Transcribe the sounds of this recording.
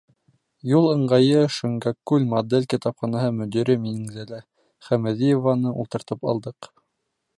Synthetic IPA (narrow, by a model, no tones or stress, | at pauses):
julˠɤ̆ɴɢɑjɤʃɘ̆ŋɡɑkʉlʲmɐd̪elʲkit̪ɑpχɑnɑhɤmɵ̆d̪iɾɘminɘ̆ŋzælæ | χæmæðijovɑnɤʔṵlˠt̪ɤ̆ɾt̪ɤpɑ̰lˠd̪ɤq